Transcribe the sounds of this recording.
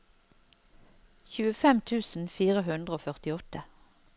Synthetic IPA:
çʉːəfɛmt̪ʰʉːsn̩fiːʁəɦʉnd̪ʁəoːfœʁt̪ɪɔt̪ə

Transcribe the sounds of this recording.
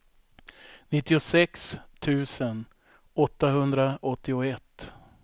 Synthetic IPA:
nɪt̪ːɪʊsɛkst̪ʰʉ̟ːsən | ɔt̪ːaɦɵnd̪ɾaɔt̪ːɪʊɛt̪ː

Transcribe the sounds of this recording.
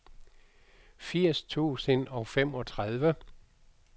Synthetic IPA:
fiɐ̰st͡sʰṵːsənɒ̽ʊfem̰ɒt͡sʰʁaðˠʋə

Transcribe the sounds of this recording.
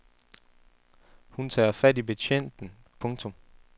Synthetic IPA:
hunt͡sʰɑ̰̈ːɐfæd̥ibe̝t͡ɕʰen̰d̥n̩ | pʰɔ̽ŋt͡sʰɔ̽m

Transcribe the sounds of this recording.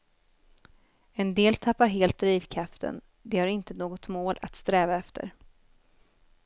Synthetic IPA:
ɛnd̪eːlt̪ʰapːaɾɦeːlt̪̚d̪ɾiːvkʰɾaft̪ə̰n | d̪ɛhaɾɪnt̪ənoːɡɔt̪moːlʔa̰t̪st̪ɾɛːvaɛft̪ʰə̰ɾ

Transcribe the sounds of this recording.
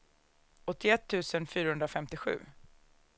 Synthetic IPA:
ʔɔt̪ːɪɛt̪ʰːʉ̟ːsənfyːɾahɵnd̪ɾafɛmt̪ɪɧʉ̟̰ː

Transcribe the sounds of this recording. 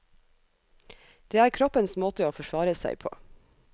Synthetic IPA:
d̪̥eːæːɾkʰɾɔpənsmoːt̪əoːfɔʃʋɑːɾəsæ̰ɪpʰo̰ː

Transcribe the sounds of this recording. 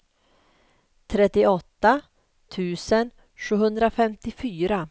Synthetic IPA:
t̪ʰɾɛt̪ːɪɔt̪ːa | t̪ʰʉ̟ːsən | ɧʉ̟ːhɵnd̪ɾafɛmt̪ɪfyːɾa

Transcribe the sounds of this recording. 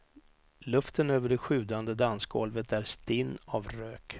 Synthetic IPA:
lɵft̪ənøːvəɖɛɧʉ̟ːd̪and̪əd̪anskɡɔ̰lvət̪æɾst̪ɪnːavɾøːk

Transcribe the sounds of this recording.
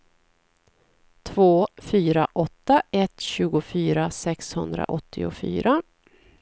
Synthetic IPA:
t̪ʰvoːfyːɾaʔɔt̪ːaɛt̪ɕʉ̟ːɡʊfyːɾasɛkshɵnd̪ɾa̰ʔɔt̪ʰːɪʊfy̰ːɾʔa

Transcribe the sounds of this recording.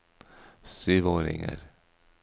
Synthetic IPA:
syːvoːɾɪ̰ŋə̰ɾ

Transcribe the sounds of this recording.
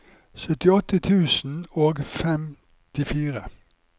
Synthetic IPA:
sœt̪ɪɔt̪ət̪ʰʉːsn̩oːɡfɛm | t̪ʰɪfiːʁə

